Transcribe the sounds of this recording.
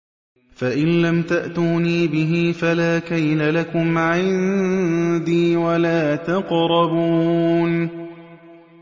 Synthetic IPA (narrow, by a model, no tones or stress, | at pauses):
faʔɪnlamt̪aʔt̪uːniːbɪɦiːfalaːkajlalakʊmʕɪn | d̪iːwalaːt̪ɑqɾˤɑbuːn